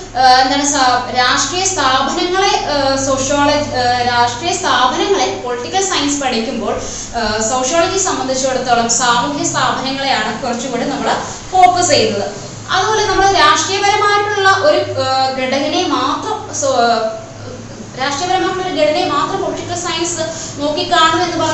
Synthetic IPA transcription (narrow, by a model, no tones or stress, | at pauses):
end̪aːɳesɾaːʂʈrijɐst̪ʰaːbʱɐnɐŋːɐɭesoːʂjoːɭɐd͡ʑiɾaːʂʈrijɐst̪ʰaːbʱɐnɐŋːɐɭepoliʈːikʲːɐɭsɐjɐnsɨ̥pɐɽɐjikʲːumbo̞ːɭ | soːʂjoːɭɐd͡ʑisɐmbɐnd̪ʱit͡ɕːueɽut̪ːoːɭɐmsaːbʱɐbʱijɐst̪ʰaːbʱɐnɐŋːɐɭe̞jaːɳɨkurɐt͡ɕːukoːɳɖɨnɐmːɐɭ | fo̞ːkɐsejunːɐðɨ | ɐðɨbo̞ːle̞nɐmːɐɭɾaːʂʈrijɐbɐɾɐmaːɾʈːuɭːɐʔo̞ɾuɡeɽɐnɐne̞maːt̪rɐm | ɾaːʂʈrijɐbɐɾɐmaːɾʈːuːoɾuɡeɽɐnemaːt̪rɐmpoliʈːikːɐɭsɐjɐnsɨno̞ːkːikʲːaːɳɐe̞nːɨpɐ